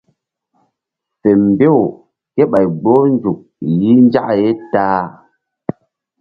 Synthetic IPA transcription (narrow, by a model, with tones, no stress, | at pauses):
fe˨m˨be˦w | ke˦ɓa˨jɡ͡bo˦nd͡ʒu˨k̚li˦nd͡ʒa˦ʔje˦taː˦